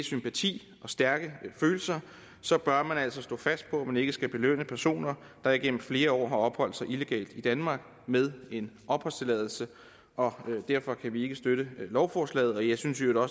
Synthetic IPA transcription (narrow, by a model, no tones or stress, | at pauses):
sympʰæt͡sʰḭː | ʔɒ̽sd̥æɐɡ̥əføːl̩sɐ | sɒ̽b̥ɶɐmænæl̰sɒ̽sd̥ɔ̰ːfæsd̥̚pʰɒ̽æmæne̝ɡ̥əsɡ̥æb̥e̝lø̰n̰əpʰæɐso̝̰ːnɐ | d̥ɑ̈iɡ̥en̰m̩fle̝ːɐɒ̰ːɦɑ̈ɒ̽b̥hɒ̽l̰d̥sɑ̈ɪʔile̝ɡ̥ɛ̰ːld̥id̥ænmɑ̈ːɡ̥ | meðˠe̝nɒ̽b̥hɒ̽l̰st͡sʰe̝lɛːðˠl̩sə | ʔɒ̽d̥æɐ̰fɒ̽kʰæʋie̝ɡ̥əsd̥øɾəlɒʊfɒːslɛ̰ːð̩ˠɒ̽jɑɪsynsʋjod̥ɒ̽